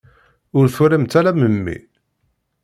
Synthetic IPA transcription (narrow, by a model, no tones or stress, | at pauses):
ʊɾθuɾimt̪ːælæməmːḭ